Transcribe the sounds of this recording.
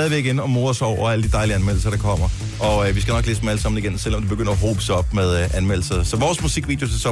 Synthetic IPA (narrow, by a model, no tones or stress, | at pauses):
ɛðˠiʋeiɡ̥enɒ̽mo̝ːðˠɒsɒʊɐæləd̥id̥ɑ̈ɪliænmel̰̩sɐɾɑ̈kʰɒ̽m̰ɐ | ʔɒ̽ʋisɡ̥ænɒ̽ɡ̥leːsd̥mæləsɑ̈m̰n̩iɡ̥ensel̰ɒ̽md̥ebe̝ɡ̥øn̰ɐɦo̝̰ːb̥əsɒ̽b̥með̞ˠʔænmel̰̩sɐsɒ̽ʋɒːsmusiɡ̥ʋḭd̥jo̝sesɒ̽